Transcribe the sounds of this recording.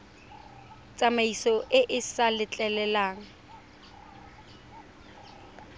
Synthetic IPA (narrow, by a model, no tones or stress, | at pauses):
t͡sʼamaisɔʔɪʔɪsalɪt͡ɬʼɛlɛlaːŋ̩